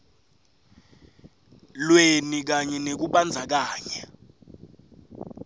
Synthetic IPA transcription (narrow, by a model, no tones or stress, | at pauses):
lwenik̬aɲɛnek̬uɓand͡zʱak̬aːɲa